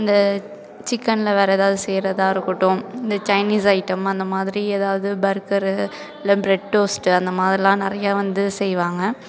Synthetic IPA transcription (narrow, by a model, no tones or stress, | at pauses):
ɪnd̪ɐ | t͡ʃɪkːɐnɪlɐʋeːɾɐeːðaːʋɐðɯsɛjɾɐðaːɪɾɯkːɯʈːʊ̃ɪnd̪ɐt͡ʃɐɪniːsɐɪʈːɐmɐnd̪ɐmaːðɪɾieːðaːʋɐðɯbɐɾkɐɾ | lɐbɾɛʈʈoːsʈɐnd̪ɐmaːðɪɾilãːnɪɾɐjaːʋɐnd̪ɯsɛjʋaːŋɡɐ